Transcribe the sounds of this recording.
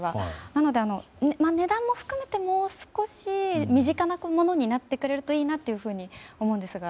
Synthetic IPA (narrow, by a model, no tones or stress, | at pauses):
βanano̞d̪e̞ano̞ | nmane̞d̪ãmːo̞ɸɯ̟̥kɯ̟me̞t̪e̞mo̞ːsɨ̥ko̞ɕimʲiʑikanakomo̞no̞ɲ̟inat̪ːe̞kɯ̟ɾe̞ɾɯ̟t̪oiːnat̪ːe̞jɯ̟ɸɯ̟ːɲ̟io̞mo̞ɯ̃nd̪e̞sɨɡa